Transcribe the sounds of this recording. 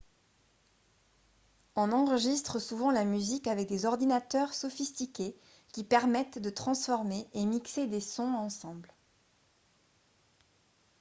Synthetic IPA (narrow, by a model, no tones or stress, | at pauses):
ɔ̃nɑ̃ʁəʒist̪χəsuvɑ̃lamyzikavɛk̚d̪ezɔʁd̪inat̪œʁsɔfist̪ikʲe | kʲipɛʁmɛt̪d̪ət̪χɑ̃sfɔʁmeʔemiksed̪esɔ̃ɑ̃sɑ̃bl